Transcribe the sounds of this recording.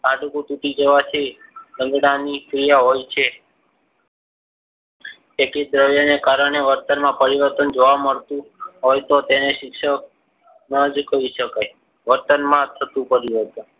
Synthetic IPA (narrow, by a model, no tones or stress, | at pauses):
aɖukũt̪uʈid͡ʒeʋat͡ʃʰilə̃ŋɡɽanikɾijaɦojt͡ʃʰe | ekid̪ɾəʋjonekaɾəɳ̃eʋəɾt̪ənmãpəɾiʋəɾt̪ənd͡ʒoʋaməɭt̪ũɦojt̪ot̪eneʃɪkʃək̚ | nəd͡ʒkəɾiʃəkaj | ʋəɾt̪ənmãt̪ʰət̪ũpəɾiʋəɾt̪ən